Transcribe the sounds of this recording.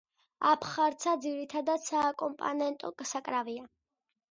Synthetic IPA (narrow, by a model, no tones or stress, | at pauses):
apʰχaɾt̪sʰad̪ziɾit̪ʰad̪ad̪sakʼɔmpʼɔ̰nɛnt̪ʼɔɡʼsakʼɾavia